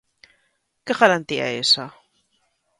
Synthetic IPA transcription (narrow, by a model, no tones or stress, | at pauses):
keɣaɾant̪ia̰esa